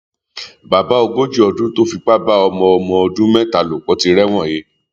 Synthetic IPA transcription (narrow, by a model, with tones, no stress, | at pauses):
ba˨ba˨˦ɔ˧ɡo˦d͡ʒi˦ɔ˧dũ˦to˦fi˧k͡pa˦ba˦ɔ˧mɔ̃˧ɔ˧mɔ̃˧ɔ˧dũ˦mɛ̃˦ta˨lo˨k͡pɔ˨˧ti˧ɾɛ˦w̃ɔ̃˦˨je˨˦